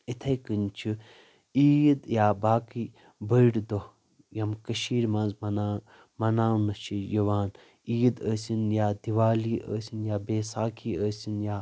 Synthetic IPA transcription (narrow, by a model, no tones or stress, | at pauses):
it̪ʰɐjkɨnt͡ʃʰi | iːd̪jaːbaːki | bɐjɽd̪o | jɐmkɐʃiːɾmãnzmɐna | mɐnaːnɐt͡ʃʰijɐʋaːn | iːd̪əːsʲinjaːd̪iʋaːliːʔə̰ːsinjaːbeːsaːkʰiːəːsʲinjaː